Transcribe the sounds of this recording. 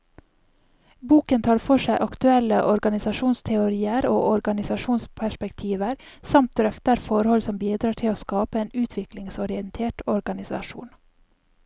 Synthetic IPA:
buːkənt̪ʰɑːɾfɔʂæɪʔɑkt̪ʉɛlə̰ʔɔɾɡɑnɪsɑʃuːnst̪ʰɛʊɾiːəɾo̰ːʔɔɾɡɑnɪsɑʃuːnspʰæʃpɛkt̪ʰiːʋəɾsɑmt̪̚ɾœft̪əɾfɔɾhɔlsɔmbiːd̪ɾɑːʈʰɪloːskɑːpəeːnʉːt̪ʰʋɪklɪŋsɔɾɪənt̪ʰeːʈɔɾɡɑnɪsɑ̰ʃṵːn

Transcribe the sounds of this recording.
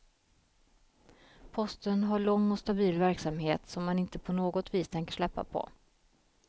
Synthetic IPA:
pʰɔst̪ənɦaɭɔŋːɔst̪abiːlvæɾksamheːt̪sɔmːanɪnt̪əpʰɔnoːɡɔt̪viːst̪ʰɛŋkəʂɭɛpːa̰pʰɔ̰

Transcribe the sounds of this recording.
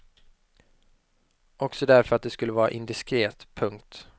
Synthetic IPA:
ɔksɔd̪æɾfœɾat̪̚d̪ɛskɵlːəvɑːɾa̰ʔɪnd̪ɪskɾeːt̪pʰɵŋk̚t̪

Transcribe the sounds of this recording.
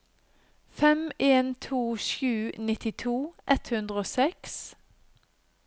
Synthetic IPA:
fɛmeːnt̪ʰuːʃʉːnɪt̪ɪt̪ʰuːʔɛt̪hʉnd̪ʁəoːsɛks

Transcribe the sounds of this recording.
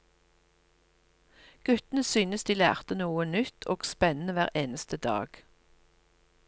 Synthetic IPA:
ɡ̥ʉt̪n̩əsyːnəsd̪iːlæ̰ːʁt̪ənuːənʏt̪ʰoːɡspɛnn̩əʋæːʁeːnəst̪əd̪ɑ̰ːɡ̥

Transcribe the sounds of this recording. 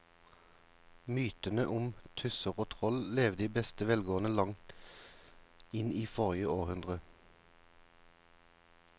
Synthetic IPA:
myːt̪ənəʔʊmt̪ʰʉsəʁoːt̪ʰʁɔlleːʋd̪iːbɛst̪əʋɛlɡoːənəlɑŋt̪ | ɪniːfɔʁɪəoːʁhʉnd̪ʁə

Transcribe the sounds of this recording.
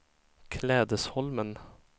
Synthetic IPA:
kʰlɛːd̪əshɔlmən

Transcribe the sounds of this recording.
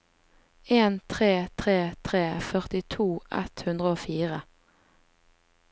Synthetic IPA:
eːnt̪ʰʁeːt̪ʰʁeːt̪ʰʁeːfœʁt̪ɪt̪ʰuːʔɛ̰t̪hʉnd̪ʁəoːfiːʁə

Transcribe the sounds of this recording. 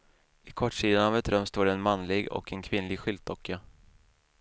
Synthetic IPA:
ɪkʰɔʈːʂiːd̪anavɛt̪ɾœmst̪oːɖɛːnmanlɪɡɔ̰kɛnkʰvɪnlɪɡɧʏld̪ʰɔkʰːa

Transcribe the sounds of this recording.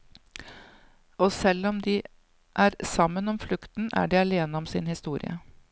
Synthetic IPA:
ɔːsɛlːɔmd̪iː | ʔæːɾsɑmːənɔmflʉkt̪n̩ʔæ̰ːɖiːɑleːnəɔmsɪnhɪst̪uːɾɪ̰ə̰

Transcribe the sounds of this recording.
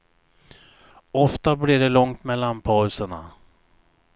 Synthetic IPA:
ɔft̪abliɖɛlɔŋt̪mɛlːanpʰɑːɵsəɳa̰

